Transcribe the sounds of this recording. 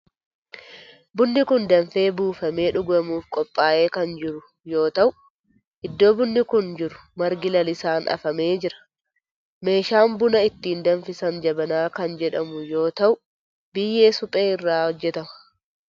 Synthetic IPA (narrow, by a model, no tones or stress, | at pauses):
bʊnːɪkʊnd̪ɐnfe̞ːbuːfɐme̞ːᶑʊɡɐmuːfkʼɔpʼːaːʔe̞ːkɐnd͡ʒɪɾʊ | jo̞ːt̪ɐʔʊ | ʔɪd̪ːo̞ːbʊnːɪkʊnd͡ʒɪɾʊ̥mɐɾɡɪlɐlɪsaːnʔɐ̰fɐme̞ːd͡ʒɪɾɐ̥ | me̞ːʃaːmbʊnɐɪt̪ːiːnd̪ɐnfɪsɐnd͡ʒɐbɐnaːkɐnd͡ʒɛᶑɐmʊjo̞ːt̪ɐʔʊ | bɪjːe̞ːsʊpʼeːɪrːaːhɔd͡ʒːɛt̪ɐmɐ̥